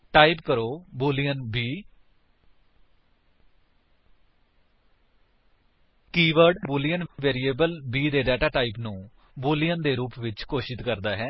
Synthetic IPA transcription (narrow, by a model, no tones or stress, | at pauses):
ʈaːɪpkəɾoːbuːlijənbiː | kiːʋəɾɖbuːlijənʋeːɾiːeːbəlbiːd̪eːɖɛːʈaːʈaːɪpnũː | buːlijənd̪eːɾuːpʋɪt͡ʃkoːʃɪt̪kəɾd̪aːɦɛː